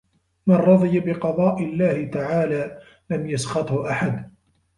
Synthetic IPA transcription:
manɾˤɑðˤɨjabɪqɑðˤɑːʔɪlːaːhɪt̪aʕaːlaː | lamjasxɑt̪ˤhʊʔaħad̪

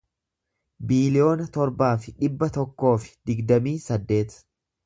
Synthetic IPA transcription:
biːlɪo̞ːnɐt̪ɔɾbaːfɪᶑɪbːɐt̪ɔkːo̞ːfɪ̥d̪̥ɪɡd̪ɐmiːsɐd̪ːe̞ːt̪

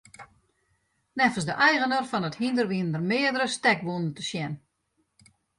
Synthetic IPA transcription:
nɛfəsdəʔɛjɣənərfɔnəthindərʋiəndərmɪədəɾəstɛk̚bunəntəsjɛn

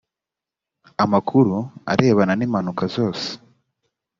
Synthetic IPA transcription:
amakʰuɾua̰ɾʔe̞ːβananiːmanukazo̞ːse̥

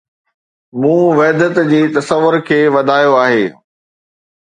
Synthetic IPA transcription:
mũːʋɐɦd̪ət̪d͡ʑiːt̪ɐsəʋːʊɾkʰeːʋɐd̪ʱaːjoaːɦeː

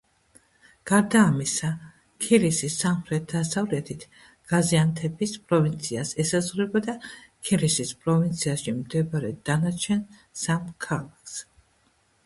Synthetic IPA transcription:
ɡ̥aɾd̪aːmisa | kʰiɾisisːamχɾɛt̪̚d̪asavlɛt̪ʰit̪ʰ | ɡ̥aziant̪ʰɛbispʼɾɔvint̪sʰiasɛsazʁɾɛbad̪akʰiɾisispʼɾɔvint̪sʰiaʃimd̪ɛbaɾɛd̪̥anat͡ʃʰɛn | samkʰalˠakʰs

